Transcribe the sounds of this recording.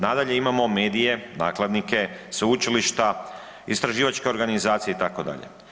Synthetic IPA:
nad̪aʎe̞imamo̞me̞ːd̪ije̞naːklˠad̪nike̞seut͡ʃiliʃt̪a | ist̪ɾaʒiːʋat͡ʃkeo̞ɾɡanizaːt̪sijeit̪ako̞d̪a̰ʎḛ

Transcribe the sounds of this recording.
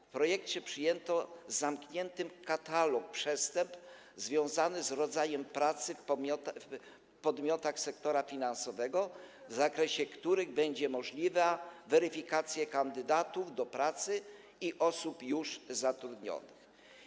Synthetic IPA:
fpɾɔjɛkt͡ɕɛpʂɘjɛnt̪ɔzamkɲɛnt̪ɘmkat̪alɔk̚pʂɛst̪ɛmp | zvʲjɔ̃w̃zanɘzɾɔd̪zajɛmpɾat̪sɘfʲɔt̪ | pɔd̪mʲjɔt̪axsɛkt̪ɔɾafʲinansɔvɛɡɔ | vzakɾɛɕɛkt̪uɾɘɣbɛɲd͡ʑɛmɔʐlʲivavɛɾɘfʲikat̪sʲjɛkand̪ɘd̪at̪uvd̪ɔpɾat̪sɘ | iʔɔsupjuʂzat̪ɾud̪ɲɔ̰nɘx

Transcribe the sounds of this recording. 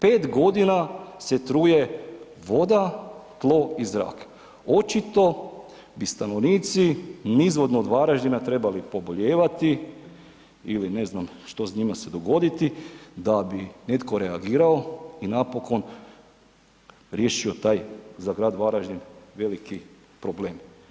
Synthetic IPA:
pe̞ːt̪ɡo̞d̪inaset̪ɾuːje | ʋo̞d̪at̪lˠo̞ːizɾa̰ːk | ot͡ʃit̪o̞ | bist̪ano̞ʋniːt̪sinizʋo̞d̪noːd̪ʋaɾaʒd̪inat̪ɾe̞balipo̞boʎeːʋat̪i | iline̞znamʃt̪o̞zɲimase̞d̪o̞ɡo̞d̪it̪id̪abine̞t̪ko̞ɾeaɡiːɾao̞inapo̞ko̞n | ɾje̞ːʃio̞t̪aːjzaɡɾaːd̪ʋaɾaʒd̪inʋe̞liki | pɾo̞bleːm

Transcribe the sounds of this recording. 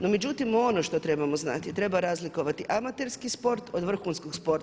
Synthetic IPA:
no̞me̞d͡ʒut̪imonoʃt̪o̞t̪ɾe̞bamo̞zna̰t̪it̪ɾe̞baɾazliko̞ʋat̪iʔamat̪e̞ɾskispo̞ɾt̪od̪ʋr̩xunskoɡspo̞ɾt̪

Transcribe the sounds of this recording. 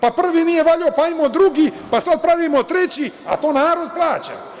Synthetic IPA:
papr̩ʋinije̞ʋaʎaopaimod̪ɾuɡipasad̪̚pɾaʋimot̪ɾe̞t͡ɕia̰t̪o̞ːnaːɾo̞d̪̚plˠaːt͡ɕa̰

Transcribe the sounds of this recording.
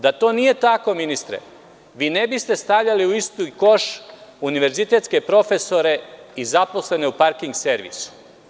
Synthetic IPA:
d̪at̪o̞ːnije̞t̪ako̞minist̪ɾḛ | ʋiːnebist̪e̞st̪aʋʎaliuist̪ujko̞ʃuniʋe̞ɾzit̪e̞t̪ske̞pɾo̞fe̞so̞ɾe̞izapo̞sle̞ne̞upaɾkiŋɡseɾʋḭsu̥

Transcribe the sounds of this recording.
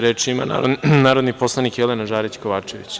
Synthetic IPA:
ɾeːt͡ʃiima̰na̰onaːɾod̪nipo̞slˠanikjelenaʒaːɾit͡ɕko̞ʋaːt͡ʃeʋḭt͡ɕ

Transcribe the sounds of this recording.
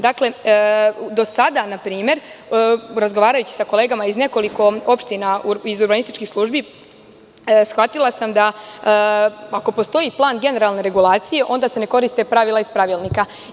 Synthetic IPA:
d̪akle̞ | d̪o̞sad̪anapɾiːme̞ɾ | ɾazɡo̞ʋaːɾajut͡ɕi̥sakole̞ːɡamaizne̞ko̞liko̞o̞pʃt̪inauizuɾbanist̪it͡ʃkixslˠuːʒbi | sxʋat̪ilˠasamd̪a | ako̞po̞st̪o̞iplˠaːnɡe̞ne̞ɾalne̞ɾe̞ɡulaːt̪sije̞ʔo̞nd̪asene̞ko̞ɾist̪e̞pɾaʋilˠaispɾaʋilˠnika

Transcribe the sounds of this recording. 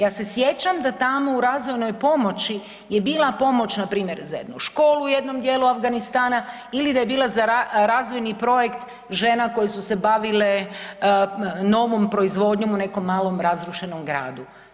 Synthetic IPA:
jaːse̞sjet͡ɕamd̪at̪amo̞uɾazʋo̞jno̞jpo̞mo̞t͡ɕi | jebiːlˠapo̞mo̞t͡ɕnapɾiːmje̞ɾzajḛd̪nuʃko̞ːluujed̪no̞md̪je̞ːluafɡanist̪aːna | ilid̪aje̞biːlˠazaɾaɾaːzʋojnipɾo̞jekt̪ | ʒe̞nako̞jesuse̞baʋile | no̞ʋompɾo̞izʋo̞d̪ɲo̞mune̞ko̞mːaːlˠo̞mɾazɾuʃe̞no̞mɡɾa̰ːd̪u

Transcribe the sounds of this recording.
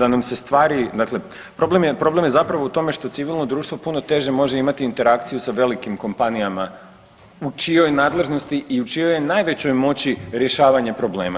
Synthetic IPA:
d̪anamse̞st̪ʋaːɾid̪akle̞ | pɾo̞ble̞mjepɾo̞ble̞mje̞zapɾaʋout̪o̞me̞ʃt̪o̞t̪siʋilˠno̞d̪ɾuːʃt̪ʋo̞puno̞t̪e̞ʒe̞mo̞ʒe̞imat̪iːnt̪e̞ɾakt̪sijusaʋe̞likimko̞mpanijama | ut͡ʃijo̞jnaːd̪lˠe̞ʒno̞st̪iʔiut͡ʃijo̞jenajʋe̞t͡ɕo̞jmo̞t͡ɕiɾje̞ʃaːʋaɲepɾo̞ble̞̰ːma

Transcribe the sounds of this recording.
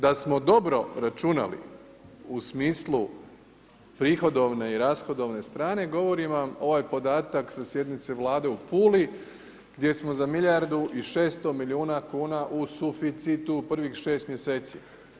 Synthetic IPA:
d̪asmo̞d̪o̞bɾo̞ɾat͡ʃuna̰lḭ | usmiːslˠu | pɾiːxo̞d̪o̞ʋne̞iɾasxo̞d̪o̞ʋne̞st̪ɾaːne̞ɡo̞ʋo̞ɾimamo̞ʋaːjpo̞d̪aːt̪aksasje̞d̪nit̪se̞ʋlˠaːd̪e̞upuːli | ɡ̥d̪je̞smo̞zamiʎjaɾd̪uʔiʃe̞ːst̪o̞milʲiuːnakuːnaʔusufit̪sit̪upr̩ʋixʃe̞ːst̪mje̞se̞ːt̪sḭ

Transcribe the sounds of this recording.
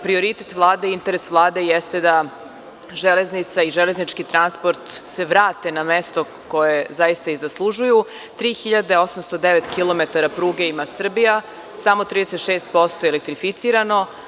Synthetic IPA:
pɾio̞ɾit̪et̪ʋlˠaːd̪eiint̪eɾesʋlˠaːd̪e̞jest̪e̞d̪a | ʒele̞znit̪saiʒeleznit͡ʃkit̪ɾanspo̞ɾt̪se̞ʋɾaːt̪e̞namest̪o̞ | ko̞jezajist̪aizaslˠuʒuju | t̪ɾiːxiʎad̪eo̞samst̪od̪eʋet̪kilˠo̞me̞t̪aɾapɾuːɡe̞imasr̩bija | samo̞t̪ɾid̪eset̪ʃeːst̪̚po̞st̪ojelek̚t̪ɾifit̪siːɾano̞

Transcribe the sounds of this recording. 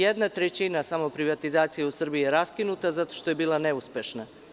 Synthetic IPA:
ed̪nat̪ɾet͡ɕinasamo̞pɾiʋat̪izaːt̪sijausr̩biijeɾaskinut̪azat̪o̞̥ʃt̪o̞je̞biːlˠane̞uspʲjeʃna

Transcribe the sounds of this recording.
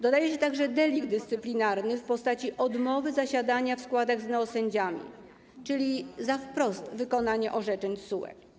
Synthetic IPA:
d̪ɔd̪ajɛɕɛt̪aɡʐɛd̪ɛlʲiɡd̪ɘst̪sɘplʲinaɾnɘfpɔst̪at͡ɕiʔɔd̪mɔvɘzaɕad̪aɲafskwad̪aɣznɛɔsɛɲd͡ʑamʲḭ | t͡ʂɘlʲizafpɾɔst̪vɘkɔn̪aɲɛʔɔʐɛt͡ʂɛɲsuwɛ̰k

